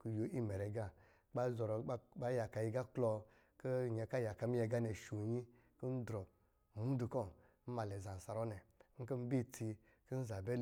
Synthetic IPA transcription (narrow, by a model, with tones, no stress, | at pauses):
ku˨jo˨˦ʔi˦mɛ˨ɾɛ˨ɡa˦ | k͡pa˦zɔ˨ɾɔ˨˦ɓa˦ja˨ka˧˨ji˧ɡa˦klɔ˧ | ki˦˨ɲe˧ka˦ja˨ka˧mi˦ɛ˧ɡa˦nɛ˨ʃu˨ɲi˦ | ku˦n̩˦dɾɔ˨ | mu˦du˨kɔ˦˨ | m̩˦ma˨lɛ˨za˨n̩˨sa˨ɾɔ˦nɛ˨ŋ̩˦ki˦m̩˦bi˦ti˧ | ki˦n̩˦za˨bɛ˦l